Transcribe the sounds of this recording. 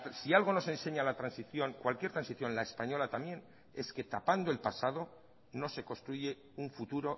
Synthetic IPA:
sialɣ̞o̞no̞sẽ̞nse̞ɲalat̪ɾansiθjo̞ŋkwalkje̞ɾt̪ɾansiθjõ̞nlae̞spaɲo̞lat̪amje̞n | e̞ske̞t̪apand̪o̞e̞lpasað̞o̞ | no̞se̞ko̞st̪ɾuʝe̞ | uɱfut̪uɾo̞

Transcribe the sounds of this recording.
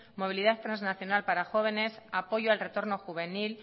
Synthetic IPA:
mo̞β̞iliðaθt̪ɾanznaθjonalpaɾaxo̞β̞e̞ne̞sapo̞ʝoalre̞t̪o̞ɾno̞xuβ̞e̞nil

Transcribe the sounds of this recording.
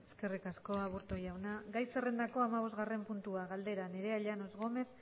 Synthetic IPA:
eske̞rikasko̞aβuɾt̪o̞jawnaɡajse̞re̞nd̪ako̞amaβ̞o̞zɣare̞mpunt̪uaɣald̪e̞ɾane̞ɾe̞aʎano̞zɣo̞me̞θ

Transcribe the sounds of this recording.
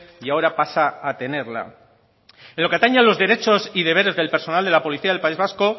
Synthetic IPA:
iao̞ɾapasaːt̪e̞ne̞ɾla̰ | eloke̞at̪aɲanlo̞zðe̞ɾe̞t͡ʃo̞siðe̞βe̞ɾe̞zðe̞lpe̞ɾso̞nald̪e̞lapo̞liθiaðelpaizβasko̞

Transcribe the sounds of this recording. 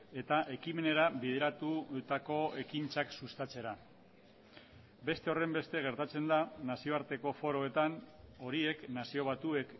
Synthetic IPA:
e̞t̪aʔe̞kime̞ne̞ɾaβiðe̞ɾat̪ut̪ako̞e̞kint͡saksust̪at͡se̞ɾa | be̞st̪e̞o̞re̞mbe̞st̪e̞ɣ̞e̞ɾt̪at͡se̞nd̪anasio̞aɾt̪e̞ko̞fo̞ɾo̞e̞t̪ano̞ɾieknasio̞β̞at̪ue̞k

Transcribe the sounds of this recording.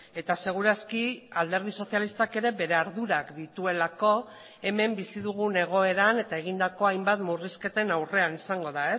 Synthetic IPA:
e̞t̪ase̞ɣ̞uɾaskiald̪eɾð̞iso̞sjalist̪ake̞ɾe̞be̞ɾe̞aɾðuɾakd̪it̪ue̞lako̞ | e̞me̞mbisiðuɣ̞une̞ɣ̞o̞e̞ɾane̞t̪aeɣ̞ind̪ako̞ajmbat̪muriske̞t̪e̞nawre̞anisaŋɡo̞ðae

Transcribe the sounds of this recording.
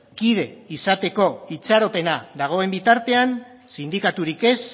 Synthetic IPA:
kiðe̞isat̪e̞ko̞it͡saɾo̞pe̞naðaɣ̞o̞e̞mbit̪aɾt̪e̞an | sind̪ikat̪uɾike̞s

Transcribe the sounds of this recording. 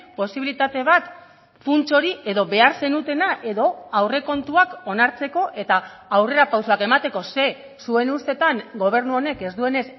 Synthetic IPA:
po̞siβilit̪at̪e̞β̞at̪ | funt͡so̞ɾie̞ðo̞βe̞aɾse̞nut̪e̞naʔe̞ðo̞awre̞ko̞nt̪uako̞naɾt͡se̞ko̞ʔe̞t̪aː | wre̞ɾapawsoake̞mat̪e̞ko̞se̞ | sue̞nust̪e̞t̪aŋɡo̞β̞e̞ɾnuo̞ne̞ke̞zd̪ue̞ne̞s

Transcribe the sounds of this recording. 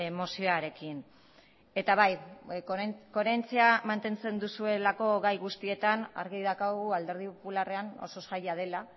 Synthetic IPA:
mo̞sioaɾe̞kin | e̞t̪aβaj | ko̞ɾent͡siamant̪e̞nt͡se̞nd̪usue̞lako̞ɣajɣust̪ie̞t̪ana̰ɾɣiðakaɣuald̪e̞ɾð̞ipopulare̞ano̞̰so̞sajað̞e̞la

